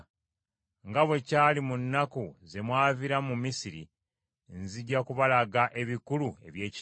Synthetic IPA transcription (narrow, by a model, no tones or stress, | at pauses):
ŋɡaβwe̞caːlimunːakuze̞mwaːviɾamumisiɾḭ | nziɟːakuβalaɡaʔe̞βikulue̞̰βje̞ːci